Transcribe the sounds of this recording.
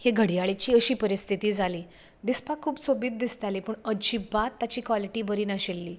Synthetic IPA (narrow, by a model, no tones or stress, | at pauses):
heɡʱəɽjaɭet͡ɕiːəɕiːpəɾist̪ʰit̪iːd͡zaliː | d̪ispakʰːuːbt͡sobiːt̪̚d̪ist̪alepuːɳəd͡ʑibat̪ːat͡ɕiːkʋaliʈiːbəɾiːnaɕelːiː